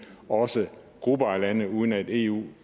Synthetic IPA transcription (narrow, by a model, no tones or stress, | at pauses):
ɒ̽sə | ɡ̥ʁubɐælænəuːð̞ˠn̩æd̥e̝̰ːṵː